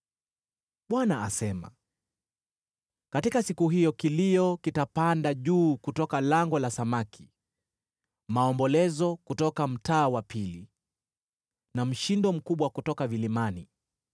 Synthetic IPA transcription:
ɓwanaasɛma̰ | katikasikuɦijɔkilijɔkitapandaʄuːkutɔkalaŋɡɔlasamakʰi̥ | maɔmbɔlɛzɔkutɔkam̩taːwapili | nam̩ʃindɔm̩kuɓwakutɔkavilimani

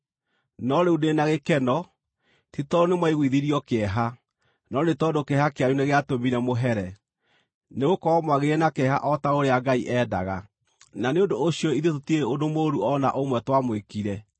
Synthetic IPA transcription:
nɔɾeudenaɣekɛnɔ | titɔɾonemwaiɣwiðiɾiɔkeɛɦa | nɔnetɔdokeɛhakeajuneɣeatomiɾɛmoɦɛɾɛ | neɣokɔɔmwaɣeɾɛnakɛɦa̰ʔɔtaoɾeaɡaiʔɛːda̰ɣa | naneondoːɕijɔiðetotieodomoɾuɔna̰ʔomwɛtwamwekiɾɛ

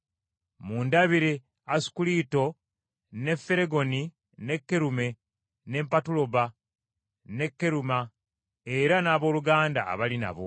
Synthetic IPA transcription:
muːndaβiɾe | asu̥kulito̞ | ne̞fːe̞ɾe̞ɡo̞ni | ne̞kːe̞ɾume̞ | ne̞mpatulo̞βa | ne̞kːe̞ɾuma | eɾanaːβo̞ːluɡaːnda̰ːβalina̰βo̞̰

